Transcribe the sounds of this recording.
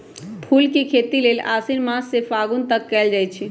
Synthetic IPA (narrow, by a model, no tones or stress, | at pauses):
pʰulkekʰet̪ilela̰sinmãsːefaɡunt̪əkːɛld͡ʒajt͡ʃʰi